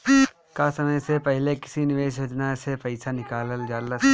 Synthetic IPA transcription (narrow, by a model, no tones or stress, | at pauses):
kasɐməjsepɛɦlekɪ̥sinɪʋeːʃjoːd͡ʒnasepɐɪsanɪkaːləld͡ʒaːlə